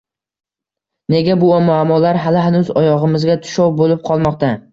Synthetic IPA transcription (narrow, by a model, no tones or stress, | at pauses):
ne̞ɡʲabʊɒmʊamːɒlaɾɦalɪɦanʊzɒjɒʁɨmɪzɡʲat̪ʰʊ̥ʃɒwbolɪp̚qʰɒlˠmɒqt̪ʰa